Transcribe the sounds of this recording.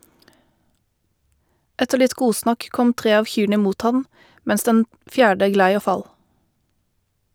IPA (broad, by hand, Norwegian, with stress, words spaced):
ˈɛtəʁ ˈlɪt ˈɡuːsnɑk ˈkɔm ˈtʁeː ˈɑːʋ ˈçyːɳə ˈmuːt ˈhɑn ˈmɛns ˈdɛn ˈfjæːɖə ˈɡlæɪ ˈoː ˈfɑl